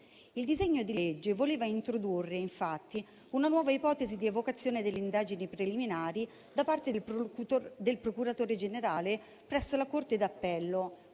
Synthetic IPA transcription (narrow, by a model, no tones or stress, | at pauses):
ild̪izeɲːod̪iled͡ʒːevoleːvaint̪ɾod̪urːeiɱfat̪ːi | unanwɔːvaipɔːt̪ezid̪ievokat̪sːjoːned̪elːeind̪aːd͡ʒinipɾeliminaːɾi | d̪apart̪e | d̪elpɾokuɾat̪oːɾed͡ʒeneɾaːle | pɾɛsːolakort̪ed̪apːɛlːo